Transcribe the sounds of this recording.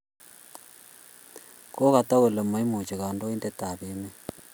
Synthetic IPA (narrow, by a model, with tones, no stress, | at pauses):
ko˦ka˨ta˦ɣo˨le˨mo˨˦i˦mo˨t͡ʃi˨ɣa˨ndo˦i˦nde˦ta˨βe˦me˦